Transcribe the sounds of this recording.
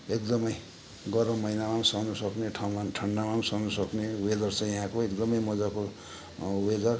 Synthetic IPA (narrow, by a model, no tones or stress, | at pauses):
ekd̪ʌmʌj | ɡʌɾʌmʌinamamsʌnʌsʌkneʈʰãʈʰʌɳːamansʌnʌsʌknewed̪ʌrt͡sʰʌjʌɦãkoekd̪ʌmʌjmʌd͡zako | wed̪ʌr